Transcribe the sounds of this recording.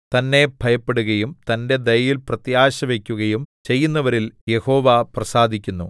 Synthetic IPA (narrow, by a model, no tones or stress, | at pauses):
t̪ɐnːe̞bʱɐjɐpːe̞ɽuɣɐjumt̪ɐnde̞d̪ɐjɐjilprɐt̪jaːɕɐʋe̞kʲːuɣɐjumt͡ɕe̞jːunːɐʋɐɾilje̞ho̞ːʋaprɐsaːd̪ʱikʲːunːu